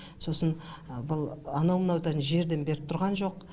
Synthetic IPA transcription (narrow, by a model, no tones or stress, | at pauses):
so̞sənbʊlˠanomnawt̪ɑnəʒe̞ɾd̪e̞nbe̞ɾɪp̚t̪ʰʊɾʁɑnʒo̞q